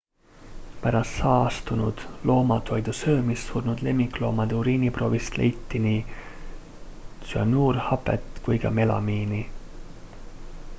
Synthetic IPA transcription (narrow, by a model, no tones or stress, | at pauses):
pæɾɑst̪sɑːɑst̪unud̪̥lo̞ːmɑt̪ʰo̞jd̪̥usɤːmisːuːrnud̪le̞mːiklo̞ːmɑd̪̥euɾiːnipro̞ːvist̪lḛjt̪ːiniː | t̪syɑ̰nuːrhɑpḛt̪ˑkujkɑ̰me̞lɑ̰miːni